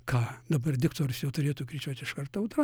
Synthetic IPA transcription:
kʰɑːd̪ɐbɐrdʲɪkt̪oːɾʲʊsjɛʊt̪ʊɾʲeːt̪uːkɾʲit͡ʃʲuɔt̪ʲɪʃkɐrt̪ɐʊt̪ɾɑ

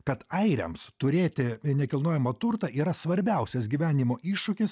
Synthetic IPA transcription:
kɐt̪ɐɪɾʲɛ̰mst̪ʊɾʲeːt̪ʲɪnʲɛkʲɪlˠnoɔjɛmɐt̪ʊɾt̪ɐʔiːɾɐsʋɐɾʲbʲɛʊsʲɛsɡʲiːʋʲæːnʲimoːʔiːʃʊkʲɪs

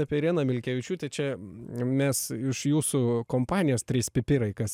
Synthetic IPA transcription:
ɑːpʲeɾʲiɛnɐmʲɪlʲkʲɛʋʲɪt͡ʃʲuːt̪ʲɛɪt͡ʃʲɛmʲɛsɪʃjuːsʊkoːmpɑːnʲɪjoːst̪ʲɾʲiːspʲɪpʲɪɾɐɪkɐs

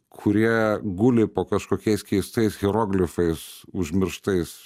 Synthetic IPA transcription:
kʰʊɾʲiɛɡʊlʲɪpoːkɐʃkoːkʲɛɪskʲɛɪst̪ɐɪsɣʲɛɾoːɡlʲɪfɐɪsʊʒʲmʲɪɾʃt̪ɐɪs

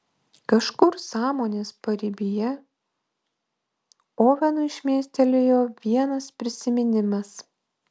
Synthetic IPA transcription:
kɐʃkʊɾsɑːmoːnʲeːspɐɾʲɪbʲɪjɛ | oːɣʲɐnʊɪʃʲmʲeːsʲt̪ʲɛlʲejoːʋʲiɛnɐspʲɾʲɪsʲɪmʲɪnʲɪmɐs

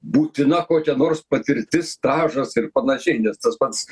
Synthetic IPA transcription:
buːt̪ʲɪnɐkoːkʲɛnoːrspɐt̪ʲɪɾʲt̪ʲɪst̪ɑːʒɐsɪɾpɐnɐʃʲɛɪnʲɛst̪ɐspɐt̪s

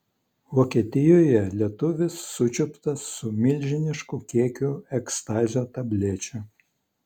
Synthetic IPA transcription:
ʋoːkʲiɛt̪ʲɪjoːjɛlʲiɛt̪ʊʋʲɪsːʊt͡ʃʲʊpt̪ɐsːʊmʲɪlʲˑʒʲɪnʲɪʃkuːkʲiɛkʲuɛkst̪ɑːzʲoːt̪ɐbʲlʲeːt͡ʃʲʊ

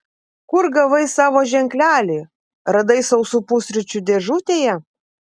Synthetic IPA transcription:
kʊɾɡɐʋɐɪsɑːʋoːʒʲɛŋʲklʲæːlʲeː | ɾɐd̪ɐɪsɐʊsʊpʊsʲɾʲʊt͡ʃʲʊd̪ʲeʒut̪ʲeːjɛ

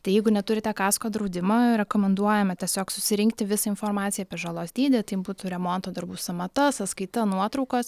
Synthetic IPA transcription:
t̪ɐɪjɛɪɡʊnʲɛt̪ʊɾʲɪt̪ʲɛkɑːskoːd̪ɾɐʊd̪ʲɪmɐɾʲɛkoːmʲɛnd̪uɔjɛmɐt̪ʲiɛsʲoːksʊsʲɪɾʲɪŋk̚t̪ʲɪʋʲɪsɐɪnfoːrmɑːt̪t͡ssʲɪjɛɐpʲiɛʒɑlˠoːsd̪ʲiːd̪ʲɛt̪ɐɪjɪmbuːt̪ʊɾʲɛmoːnt̪oːd̪ɐrbuːsɐmɐt̪ɐsɐt̪skɐɪt̪ɐnuɔt̪ɾɔʊkos

